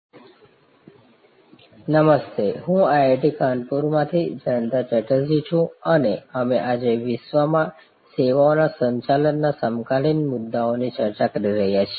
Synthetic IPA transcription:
nəməst̪eɦũaeʈikʰanpuɾmãt̪ʰid͡ʒənd̪at͡ʃəʈəd͡ʒit͡ʃʰũəneəmeʔad͡ʒeʋɪsʋamã | seʋaonasə̃ɲt͡ʃalənːasəmkalinmʊd̪ːaonit͡ʃəɾt͡ʃakəɾiɾəɦjat͡ʃʰi

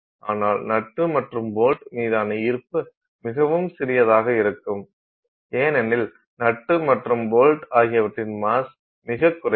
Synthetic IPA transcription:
ʔaːnaːlnɐʈːɯmɐʈrɯmboːlʈmiːðaːnɐɪɾɯpːɯ | mɪɣɐʋɯmsɪɾɪjɐðaːɣɐɪɾɯkːɯm | eːnɛnːɪl | nɐʈːɯmɐʈrɯmboːlʈaːɣɪjɐʋɐʈrɪnmaːs | mɪɣɐkːʊɾɐ

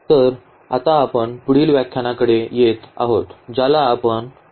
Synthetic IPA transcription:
t̪əɾ | a̰t̪aːpəɳpuɽiːlʋjakʰːjanakəɽejet̪a̰ɦot̪d͡ʑalaːpəɳ

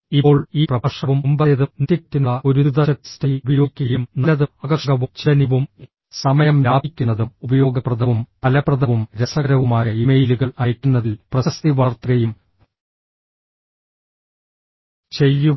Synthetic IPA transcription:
io̞ːɭiːprɐɐʂɐʋumumbɐjɐðunt̪ikt̪ːinɐoɾuðɐɐti̥stɐjubɐjoːkʲːɐjumnɐlɐðuɐɡɐʂɐɣɐʋut͡ɕiɐniʋum | sɐmɐjɐmlaːbikʲːunːɐðumubɐjo̞ːɡɐprɐðɐʋumpɐlɐprɐðɐʋumɾesɐɣɐɾɐʋumaːjɐimejluɣɐɭɐjɐkʲːunːɐðilprɐsɐst̪iʋɐrt̪ːɐɣɐjum | t͡ɕejːu

